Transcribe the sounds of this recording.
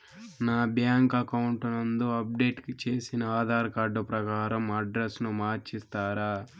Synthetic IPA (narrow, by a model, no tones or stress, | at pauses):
naːbjaːŋkɐkɐwuɳʈunɐnd̪oɐp̚ɖe̞ːʈkit͡ʃe̞ːsinɐaːd̪ʱaːɾɐkaːɖɐpɾɐkaːɾɐmɐɖɾesnumaːɾt͡ʃist̪aːɾaː